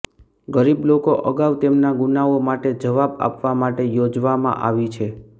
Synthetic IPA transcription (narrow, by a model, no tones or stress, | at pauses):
ɡəɾiblokoʔəɡaʋt̪emnaɡunaomaʈed͡ʒəʋaba̰pʋamaʈejod͡ʒʋamã̰ʔa̰ʋit͡ʃʰe